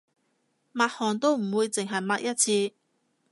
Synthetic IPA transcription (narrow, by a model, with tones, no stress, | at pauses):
maː˧t̚hɔː˨˩nt̪o˥wm̩˨˩wuː˨˧jt͡sɪ˨ŋɦɐ˨jmaː˧k̚jɐ˥t̚t͡sʰiː˧